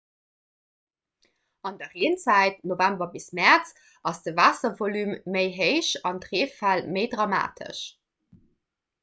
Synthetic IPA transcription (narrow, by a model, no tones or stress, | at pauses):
ɑndɐʁiənt͡sæɪt̚novæmbɐbismæʁt͡s | ɑsd̥əvaːsɐvolymːəɪɦəɪʃɑndʁeːfælməɪdʁɑma̰ːtʰə̰ʃ